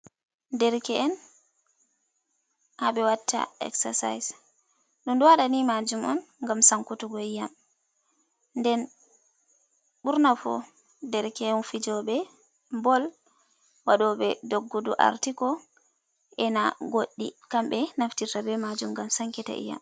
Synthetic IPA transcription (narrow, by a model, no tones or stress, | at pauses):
dɛɾkɛːn | haɓɛwatʰːa̰ɛ̰ksa̰sa̰js | ɗɔndɔwaɗanimad͡ʒumɔ̰nŋɡamsaŋkutuɡɔijam | ndɛn | ɓuɾnafɔ̰ | dɛɾkɛɛnfid͡ʒɔɓɛ | mbɔl | waɗɔɓɛdoɡːudṵʔa̰ɾtikɔ | ɛnaɡoɗːḭkamɓɛnaftitabɛmad͡ʒumɡamsaŋkɛta̰ʔḭja̰m